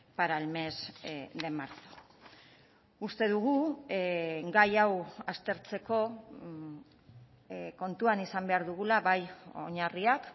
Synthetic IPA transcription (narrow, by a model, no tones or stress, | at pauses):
paɾalme̞zd̪e̞maɾto̥ | ust̪e̞ðuɣ̞u | ɡajawast̪e̞ɾt͡se̞ko̞ | ko̞nt̪uanisambe̞aɾðuɣulaβajo̰ɲariak